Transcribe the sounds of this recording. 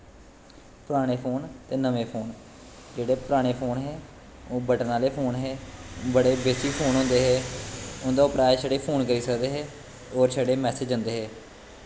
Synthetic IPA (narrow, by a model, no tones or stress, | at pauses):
pʊɾaːɽ̃eːpʰoːnt̪eːnəʋeːpʰoːn | d͡ʒeːɽeːpʊɾaːɽ̃eːpʰoːnɦɛː | oːbəʈnaːleːpʰoːnɦɛːbəɽeːbeːt͡ʃiːpʰoːnɦõnd̪eːɦɛːʊnd̪aːʊpɾaːesəɽeːpʰoːnkəɾiːsəkd̪eːɦɛː | oːɾsɛːɽeːmɛːsed͡ʒʊ̃nd̪eːɦɛː